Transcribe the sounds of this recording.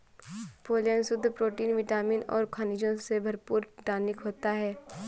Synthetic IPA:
poːlijənsʊd̪ʱːpɾoːʈiːnʋɪʈaːmiːnɔ̰ːɾkʰaːnid͡ʒõsebʱɐɾpuːɾɖaːnɪkɦoːt̪aɦɛː

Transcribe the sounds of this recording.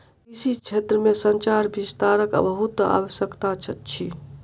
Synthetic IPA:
isit͡ʃʰet̪ɾəmesənt͡ʃaɾbist̪aɾəkə̰bəɦut̪a̰wəsjəkt̪at͡ʃʰət̪t͡ʃʰi

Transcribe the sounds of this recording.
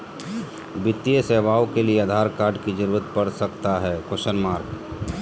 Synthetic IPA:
bɪt̪ːijəseːʋaːokelieəd̪ʱaːɾkaːɾɖkid͡ʒəɾuːɾət̪̚pɐɾsəkt̪aɦɛːkoʃənmaːɾk

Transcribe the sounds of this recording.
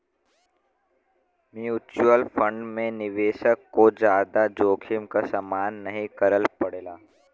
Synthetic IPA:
miuːt͡ʃuəlfʰə̃ɳɖmẽnɪʋeːʃəkːod͡ʒjaːd̪ad͡ʒoːkʰɪmkasəmaːnːɐɦĩkəɾəlpɐɽeːlaː

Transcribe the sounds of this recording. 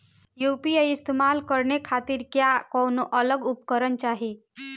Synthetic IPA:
jupiəɪst̪emalkəɾnekʰaːt̪iɾkjakɔːnoʔələɡʊpkəɾənt͡ʃaːɦi

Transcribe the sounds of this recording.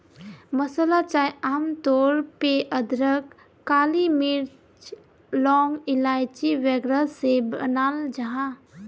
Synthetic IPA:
məsəlat͡ʃaːjaːmt̪ɔːɾpeʔəd̪ɾək | kːaːlimɪɾ | t͡ʃ | lɔːŋɡɪlaːjt͡ʃiʋɛɡɾasebənaːld͡ʒəɦã

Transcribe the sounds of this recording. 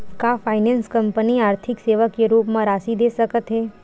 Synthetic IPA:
kafʰaːɪnɛ̃ːnskɐ̃mpəniaːɾt̪ʰɪkseːʋəkːeɾuːpmãɾaːsid̪eːsɐkət̪ɦɛː

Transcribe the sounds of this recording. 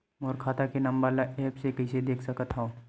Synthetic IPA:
moːɾkʰaːt̪akenɐ̃mbalaʔɛːpsekɐɪsed̪eːkʰsɐkət̪ɦaoː

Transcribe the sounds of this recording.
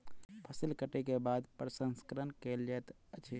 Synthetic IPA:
pʰəsilkəʈekebad̪pɾəsə̃nskəɾənkeld͡ʒet̪ | ət͡ʃʰi

